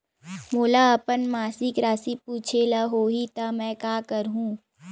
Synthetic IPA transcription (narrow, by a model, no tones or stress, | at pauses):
moːlaɐpənmaːsɪkɾaːsipuːt͡ʃʰelaɦoːɦit̪amɛ̃ːkaːkəɾɦũː